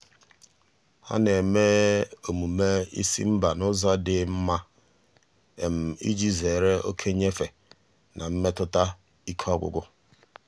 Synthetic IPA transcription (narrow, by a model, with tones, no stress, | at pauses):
ha̰˦ne˨me˦o˨mu˨me˦ḭ˦sḭ˦m̩˦ba˨nʊ˦za˦dɪ˨m̩˦ma˦ | e˨m̩˨ḭ˦d͡ʒi˦ze˨ɾe˦o˦kʰe˦ɲe˦fe˨ | nʔa˨m̩˦me˦tʊ˦ta˦ | i˦kʰɔ˦ɡʷʊ̰˨ɡʊ˦